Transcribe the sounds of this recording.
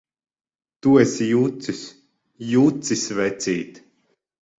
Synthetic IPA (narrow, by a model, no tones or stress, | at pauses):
t̪uɛsjuːt̪sis | juːt̪sisʲvɛt̪sʲiːt̪